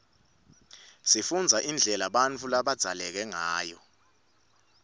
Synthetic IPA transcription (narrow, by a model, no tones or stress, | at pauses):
sifund͡zʱaʔind͡ɮʱɛlaɓant͡fʰulaɓad̥z̥ʱalɛk̬ɛŋaːjɔ